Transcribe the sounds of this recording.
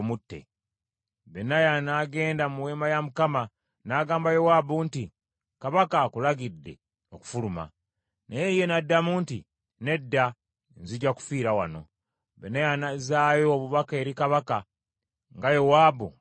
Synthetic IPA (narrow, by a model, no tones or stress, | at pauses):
mutːḛ | benajanaːɡe̞ːndamuwe̞ːmbajamukama | naːɡaːmbajo̞waːbunti | kaβakakulaɡidːe̞̰ | oku̥fuluma̰ | nejeje̞nadːamuːnti | ne̞dːa | nziɟaku̥fiːɾawano̞ | benajanazaːjoːβuβake̞ɾikaβaka | ŋɡajowaːbu